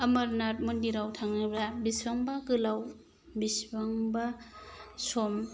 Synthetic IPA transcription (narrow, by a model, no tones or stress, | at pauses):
ɐmɐɾnat̚mundiɾawtʰaŋnɯbɾabisbaŋbaɡɯlaw | bisbaŋba | som